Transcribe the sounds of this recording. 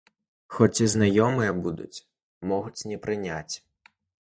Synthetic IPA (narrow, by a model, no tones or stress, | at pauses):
xɔt͡sʲiznɐjɔmɨjɐbud̪ʊ̰t͡sʲ | mɔɣʊtʲnɛpɾɪnʲat͡sʲ